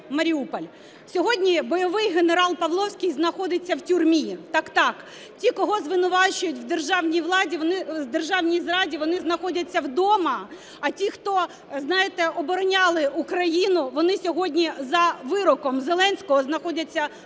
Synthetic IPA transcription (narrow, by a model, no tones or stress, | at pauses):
mɐɾʲiupɔlʲ | sʲɔɦɔdʲnʲibɔjɔʋɪjɦeneɾɑlˠpɐʋlˠɔwsʲkʲijznɐxɔd̪ɪt͡sʲːɐwtʲurmʲit̪ɑkt̪ɑk | tʲikɔɦɔzʋɪnʊʋɑt͡ʃʊjʊtʲwd̪erʒɑwnʲijʋlˠɑdʲiʋɔnɪd̪erʒɑwnʲijzɾɑdʲiʋɔnɪznɐxɔdʲɐt͡sʲːɐwd̪ɔmɐː | tʲixt̪ɔ | znɑjɪt̪ɛɔbɔɾɔnʲɑlˠɪukɾɐjinʊʋɔnɪsʲɔɦɔdʲnʲizɐʋɪɾɔkɔmzelˠɛnʲsʲkɔɦɔznɐxɔdʲɐt͡sʲːɐ